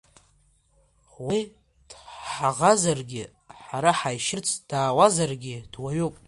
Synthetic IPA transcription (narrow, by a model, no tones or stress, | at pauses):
wi | d̥ħaʁazarɡʲɪ | ħaɾaħajʃɪrt͡sʰʼd̥aːwazarɡʲɪd̥waɥupʼ